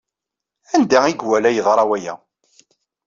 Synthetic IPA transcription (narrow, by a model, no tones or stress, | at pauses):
ænd̪æiɡwælæjəðˤɾˤɑwæjæ̰